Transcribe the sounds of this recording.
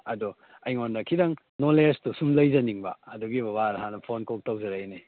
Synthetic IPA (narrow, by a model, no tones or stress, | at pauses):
ɐdu | ɐjŋonːɐkʰidɐŋ | noleɾstusumlɐjzɐniŋbɐ̰ːduɡibɐbaɾɦanɐpʰonkok̚tɐwzɐɾajne